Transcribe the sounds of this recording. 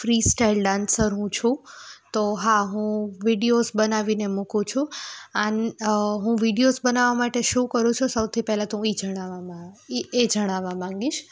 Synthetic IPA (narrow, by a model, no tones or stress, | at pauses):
fɾisʈajlɖãnsəɾɦũt͡ʃʰũt̪oɦaɦũʋiɖijozbənaʋinemukũt͡ʃʰũənɦũʋiɖijozbənaʋamaʈeʃũkəɾũt͡ʃʰũsəwt̪ʰipɛɦlat̪ũid͡ʒəɽ̃aʋamaied͡ʒəɽ̃aʋamãŋɡiʃ